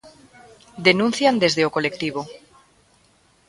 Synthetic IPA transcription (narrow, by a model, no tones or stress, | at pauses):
d̪e̞nũnθjand̪e̞zðeoko̞le̞kt̪iβ̞o